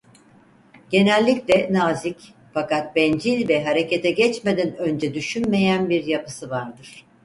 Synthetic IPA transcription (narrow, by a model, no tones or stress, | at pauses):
ɟ̥e̞nɛlʲːiclʲɛnaːzic | fakat̪̚bɛnd͡ʒilʲvɛɦaɾe̞cet̪ʰɛɟɛt͡ʃmed̪ænø̞nd͡ʒɛd̪yʃynme̞jænbiɾjapɯ̥sɯvaɾd̪ɯɾ̥